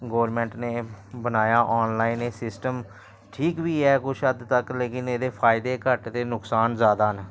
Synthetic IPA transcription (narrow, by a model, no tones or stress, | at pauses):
ɡoːəɾmɛ̃ːɳʈneːbənaːjaːʔɔːnlaːineːsɪsʈəm | ʈʰiːkʋiːɛːkʊt͡ʃʰəd̪t̪əkleːkɪneːd̪eːpʰaːɪd̪eːkəʈd̪eːnʊksaːnzaːd̪aːn